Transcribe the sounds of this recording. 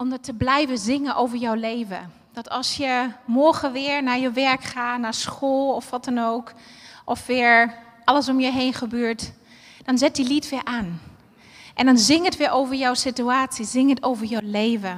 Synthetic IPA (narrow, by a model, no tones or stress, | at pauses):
ɔmdətəblɛjvəzɪŋənʔowvəɹjawlejvə̰ | d̥ɔtʰɑlˠsjəmɔɹχəʋɪːɹnaːɹjəʋɛɹkχaːnaːɹsxoːlˠɔfʋɔtənoːkʔɔfʋɪːəɹʔɑləsɔmjəɦejnχəbøːɹt | d̥ɔnzɪt̚dilitʋɪːɹʔaːn | ʔɛndɔnzɪŋətʋɪːɹʔowvəɹjawsityaːtsizɪŋətowvəɹjɔwleːvə